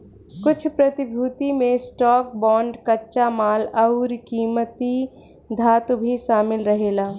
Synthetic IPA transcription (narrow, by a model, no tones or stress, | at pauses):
kʊt͡ʃʰpɾɐt̪ɪbʱuːt̪imẽsʈɔːk̚bɔːɳɖkɐtːʃamaːlɐʊɾkiːmət̪i | d̪ʱaːt̪ubʱiʃaːmɪlɾəɦeːlaː